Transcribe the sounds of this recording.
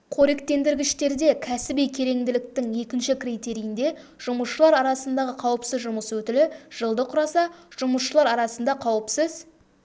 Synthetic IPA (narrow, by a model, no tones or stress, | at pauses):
qʰo̞ɾek̚t̪e̞nd̪ɪɾɡʲɪʃt̪e̞ɾd̪e̞kʲʰæsɪbijkʲʰe̞ɾe̞ŋd̪ɪlɪk̚t̪ɪŋje̞kʲɪnʃɪkrijt̪e̞ɾijɪnd̪e̞ | ʒ̥ʊməsʃəlˠɑɾɑɾɑsənd̪ɑʁəqʰɑwəpsəzʒʊməswɵt̪ɪlɪʒ̥əlˠd̪əqʰʊɾɑsɑʒ̥ʊməsʃəlˠɑɾɑɾɑsənd̪ɑqʰɑwəpsəz